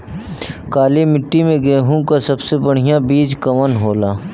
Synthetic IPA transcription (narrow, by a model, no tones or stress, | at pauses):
kaːlemɪʈːimẽɡeːɦũkasɐbsebəɽ̤ɪjabiːd͡ʒkɐmənɦoːlaː